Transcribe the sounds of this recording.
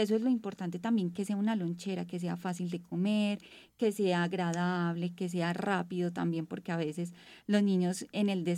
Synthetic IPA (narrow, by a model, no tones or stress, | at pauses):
es̬oe̞zlo̞impo̞ɾt̪ant̪e̞t̪ambje̞ŋke̞se̞aunalo̞nt͡ʃe̞ɾake̞s̬e̞afasild̪e̞ko̞me̞ɾ | ke̞se̞aːɣɾaðaβle̞ke̞s̬e̞arapiðo̞t̪ambje̞mpo̞ɾkeaβe̞se̞slo̞znĩɲo̞se̞ne̞ld̪es